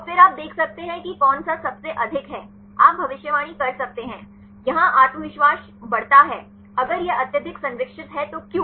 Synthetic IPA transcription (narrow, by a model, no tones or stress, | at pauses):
fɪɾaːp̚d̪eːkʰsɐk̚t̪eɦɛ̃kikɔːnsasɐbseʔɐd̪ʱɪkɦɛː | a̰ːp̚bʱɐʋɪʃjəʋaːɽ̃ikɐɾsɐk̚t̪eɦɛ̃ː | jɐɦãʔaːt̪məʋɪʃʋaːʃ | bɐɽt̪aɦɛː | ɐɡəɾjeɐt̪jəd̪ʱɪksɐ̃nɾɪkʂɪt̪ɦɛt̪okjũː